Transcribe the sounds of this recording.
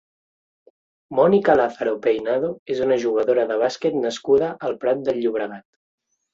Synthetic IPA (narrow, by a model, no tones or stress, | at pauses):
mɔnikəlaθaɾopejnaðoezunəʒuɣ̞əðoɾəðəβ̞asket̪nəskuðəʔəlˠpɾat̪̚d̪əlʎːuβ̞ɾəɣat̪